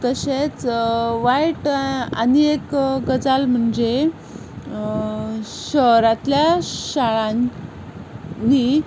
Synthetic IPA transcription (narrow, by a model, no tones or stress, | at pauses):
t̪əɕet͡sʋajʈa̰niekɡəd͡zalm̤əɳd͡ze | ɕəɦɾat̪ljaɕaɭan | i